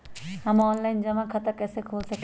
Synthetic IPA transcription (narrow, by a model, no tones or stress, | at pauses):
ɐ̃mɔːnlaːɪnd͡ʑɐʋãkʰɐt̪əkɛːsekʰoːlsɐk